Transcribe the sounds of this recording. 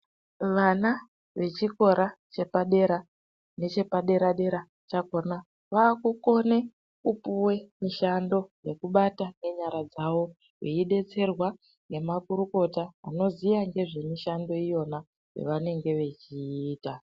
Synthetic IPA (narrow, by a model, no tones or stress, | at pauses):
ʋana | ʋe̞t͡ʃiko̞ɾat͡ʃe̞paɗe̞ɾa | ne̞t͡ʃe̞paɗe̞ɾaɗe̞ɾa | t͡ʃako̞na | ʋaːkuko̞ne | kupuwe̞miʃando̞je̞kuɓatane̞ɲaɾad͡zawo̞ | weiɗe̞t͡se̞rwa | ŋnɡe̞makuɾuko̞ta̰ːno̞zijaŋɡe̞ʐe̞miʃando̞ijo̞na | wḛʋane̞ŋɡe̞ʋe̞t͡ʃiːta